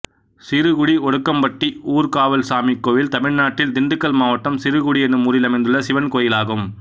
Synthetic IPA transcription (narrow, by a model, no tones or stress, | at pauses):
sɪɾɯɣʊɽiɔɽɯkːɐmpɐʈːiuːɾkaːʋɐlsaːmikːoːʋɪlt̪ɐmɪɻnaːʈːɪld̪ɪnd̪ɯkːɐlmaːʋɐʈːɐmsɪɾɯɣʊɽiɛnɯmuːɾɪlɐmɐɪnd̪ɯɭːɐsɪʋɐnkoːjɪlaːɣɯm